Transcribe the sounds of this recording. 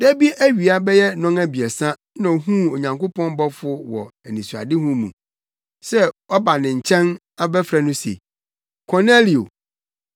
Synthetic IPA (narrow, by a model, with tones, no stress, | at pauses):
dæ˦bi˦æ˦ɥi˨a˦bɛ˦jɛ˦nɔ̃˦ŋæ˦bi˨ɛ˨sã˦ | nã˨o˨ɦũ˦o˨ɲã˨ŋkʊ˦pɔ̃˦n˦bɔ˦fʊ˦wɔ˨æ˨nĩ˨su˨a̰˨dɪ˦hũ˦mṵ̃˨ | sɛ˦ɔ˦ba˨nɪ̃˨ɲ̩˨t͡ɕʰɛ̃˦n | a˦bɛ˦fɾɛ˨nʊ̃˦sḛ˨ | kʰɔ˨ne˦li˨o̰˨